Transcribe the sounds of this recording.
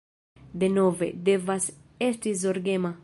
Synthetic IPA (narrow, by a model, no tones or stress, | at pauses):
d̪enovḛd̪evas | est̪izoɾɡema